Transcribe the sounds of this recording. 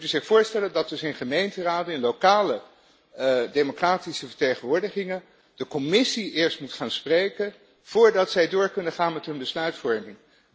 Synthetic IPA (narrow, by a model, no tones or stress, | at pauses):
utəzɪχfʊːɹstɛləndɑtdɵsɪnχəmejntəraːdənɪnlowkaːlə | dejmokraːtisəfəɹtejχənʋʊːɹdəχɪŋən | d̥əkɔmɪsiɪːɹstmutχaːnsprejkən | v̥ʊːɹdɑtsɛjdʊːɹkɵnəχaːnmɛtɦɵnbəslœɥtfɔɹmɪŋ